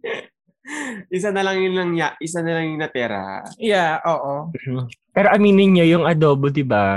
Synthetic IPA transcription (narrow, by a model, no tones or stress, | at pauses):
ʔɪsanɐlɐŋjʊlɐŋɲaʔɪsanɐlɐŋjʊŋnɐp̪ɛːɾɐ̰jaʔoːʔo | pɛːɾoʔɐmiːnɪnɲajʊŋʔɐd̪o̞ːbod̪ɪba